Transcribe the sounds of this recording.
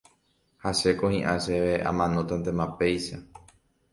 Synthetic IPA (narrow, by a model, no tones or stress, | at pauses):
haʃe̞kohĩʔaʃeʋeã̰mãnõt̪ant̪ẽmape̞jʃa